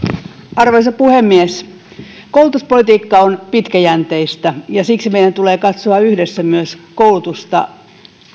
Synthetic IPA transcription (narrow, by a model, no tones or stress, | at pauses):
ɑrʋeisɑpuhemːies | koulut̪uspolit̪iːkːɑonpit̪kæjænt̪eist̪æjɑsiksimeijɾænt̪uleːkɑt̪soɑyhdesːæmyøskoulut̪ust̪ɑ̰